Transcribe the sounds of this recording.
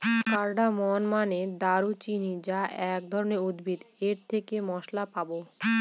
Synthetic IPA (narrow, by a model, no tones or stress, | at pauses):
kaɾɖamɔnmaned̪aɾut͡ɕinid͡ʑaʔɛk̚d̪ʱɔɾoneɾud̪bʱid̪eɾt̪ʰekemɔʃlapabo